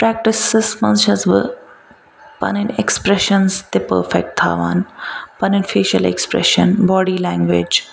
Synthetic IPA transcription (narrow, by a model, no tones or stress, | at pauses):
pɾɛːk̚ʈɪsːɪsmɐ̃nsʃɐzʋə̰ | pɐ̰nɪnekspɾɛʃənst̪epə̰ːɾfɛk̚ʈ̚t̪ʰːa̰ːʋa̰ːnpɐnɪnfeːʃəlḛkspɾɛ̰ʃənbɔːɖiːlɛ̃ːŋɡʋed͡ʒ